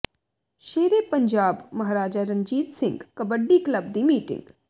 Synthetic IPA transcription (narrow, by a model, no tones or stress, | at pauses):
ʃeːɾepɐɲd͡ʒaːbmɐɦaɾaːd͡ʒaɾə̃ɲd͡ʒiːt̪sɪ̃ŋɡkɐbəɖːikləbd̪imiːʈɪ̰̃ŋɡ